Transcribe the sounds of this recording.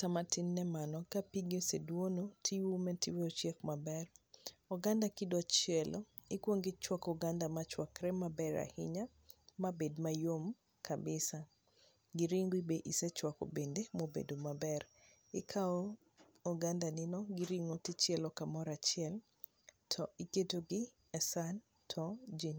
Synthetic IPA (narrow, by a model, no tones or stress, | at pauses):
tamatɪnːɛmanɔkapiɡosedwonotʰiwumɛtiwot͡ʃɛkmabɛrɔɡandakɪdɔt͡ʃɛlʔo | ɪkwoŋɡɪt͡ʃwakɔɡandamat͡ʃwakɾɛmabɛɾa̰hɪ̰ɲa | mabedmajom | kʰabɪsa | ɡiɾiŋɡwibeʔisɛt͡ʃwako̰bendemobḛdomabɛr | ɪkʰao | ɔɡandanɪnɔɡiɾiŋotit͡ʃɛlɔkamɔɾat͡ʃɪɛl | tʰɔiketoɡɪ | ɛsan | tʰɔd͡ʒin